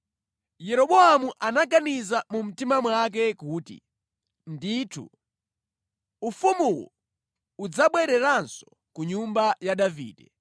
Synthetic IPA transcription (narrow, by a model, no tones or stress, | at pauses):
jɛɾɔɓɔamuʔanaɡanizamum̩timamwak̬ɛkuːtḭ | ndiːtʰṵ | ufumuwɔ̰ | ud͡zaɓwɛɾɛɾansɔ̥ | kuɲumbajaɗavḭːdɛ